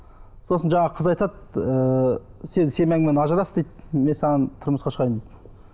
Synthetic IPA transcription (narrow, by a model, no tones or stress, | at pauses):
so̞sənʒɑɴɑqʰəzɑjt̪ɑt̪̚əsed̪ɪse̞mæŋɡɪmenɑʒəɾɑsd̪ejt̪me̞nsɑʁɑnt̪ʰʊɾməsqɑʃəʁɑjənd̪ejt̪